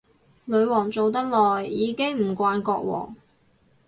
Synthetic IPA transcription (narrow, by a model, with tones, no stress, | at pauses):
lɵ˨˧ɥwɔː˨˩ŋt͡so˨wt̪ɐ˥k̚lɔː˨˩jːiː˨˧kɪ˥ŋm̩˨˩kʷaː˧nkɔː˧k̚wɔ̰ː˨˩ŋ